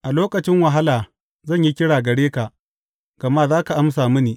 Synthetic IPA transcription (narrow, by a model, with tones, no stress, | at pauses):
ʔa˨loː˦kɐ˨t͡ʃɪ˦ŋwɐ˨ɦa˦laː˨ | zɐ˦˨ɲji˦kʲɪ˦ɽaː˨ɡɐ˨ɽeː˦ka˨ | ɡ̥ɐ˨maː˦zaː˦ka˨ʔa˦ms̬aː˨mʊ˦niː˨